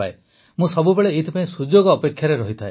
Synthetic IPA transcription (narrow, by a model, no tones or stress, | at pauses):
ae | mũsɔbubeɭeit̪ʰipaĩsud͡ʒoɡɔːpekʰːjaɾeɾɔɦit̪ʰae